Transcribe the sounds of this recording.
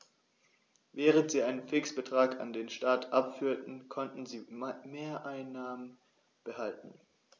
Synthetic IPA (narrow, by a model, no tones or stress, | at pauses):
vɛːʁəntz̥iːʔaɪnənfɪksb̥ətʁ̥aːka̰ndeːnʃtaːtʔapfyːɐtn̩kʰɔntn̩ziːmeːɐʔaɪnːaːmən | b̥əhaltn̩